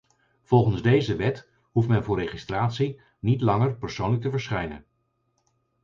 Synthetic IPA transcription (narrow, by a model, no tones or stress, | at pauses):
v̥ɔlˠχənzdejzəʋɛt | ɦuftmɛnvʊːrejχistraːtsi | nitlɑŋəɹpəɹsownlək̚təvəɹsχɛjnən